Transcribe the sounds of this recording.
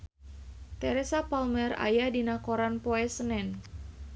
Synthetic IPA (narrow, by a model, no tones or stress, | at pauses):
t̪ɛɾɛsapalmɛra̰jadinakɔɾanpɔɛsənɛn